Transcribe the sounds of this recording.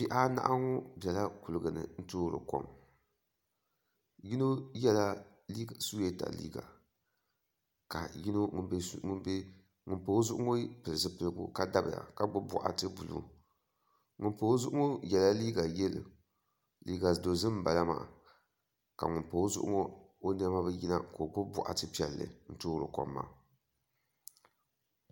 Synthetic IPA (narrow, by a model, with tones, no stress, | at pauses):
pi˦ʔa˦na̰˦ʔa˦ŋɔ˦bɛ˨la˦ku˨lɨ˨ɡɨ˨nɨ̰˨n̩˦toː˦ɾɨ̰˨ko̰˦m | ji˦no˦jɛ˦la˦ | li˦˨su˦jɛ˦ta̰˨lḭː˦ɡa̰˨ | ka˨ji˦no˦ŋ˦ŋʊ˦n˦be˦ | ŋʊ˨npo˨˦zʊ˦ʔʊ˦ŋo˦pɨ˨lɨ˨zɨ˦pɨ˨lɨ˦ɡṵ˦ka˦da˦bɨ̰˨a̰˨ka˨ɡ͡bʊ˦bʊ̰˦˨ʔa̰˨tɨ˦bu˨lṵ˨˦ | ŋʊ˨npo˨˦zʊ˦ʔʊ˦o˦jɛ˨la˦liː˦ɡa˨jɛ˦lɨ̰˨ | liː˦ɡa˨do˨zɨ˦m˦ba˨la˦ma̰ː˨ | ka̰˨ŋʊ˨npo˨˦zʊ̰˦ʔʊ̰˦ŋo˦ | o˦n˦a˦ma˦bɨ˦ji˦na˦ko˨ɡ͡bʊ˦bʊ̰˦ʔa̰˨tɨ˦pi˦ɛ˨lːɨ̰˨n̩˦toː˦ɾɨ˨kɔ̰˨mːa̰˨